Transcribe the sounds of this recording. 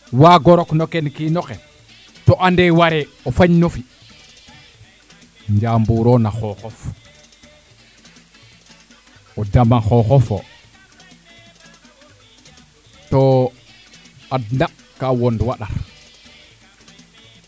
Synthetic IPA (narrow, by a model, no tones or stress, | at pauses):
waɡɔɾɔknɔkɛnkinɔkɛ | tɔʔandɛwaɾɛɔfaɲnofi | ɲd͡ʒambuɾɔnaxɔxɔf | ɔdamaxɔxɔfɔ̰ | tɔ | adna | kawɔndwaɗaɾ